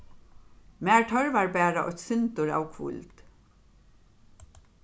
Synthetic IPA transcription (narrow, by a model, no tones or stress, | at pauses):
mæːɹtʰœɹvaɹbæːɾaʔɔ̰t̪sɪnt̪ʊɹa̰ːwkʰvʊ̰lt̪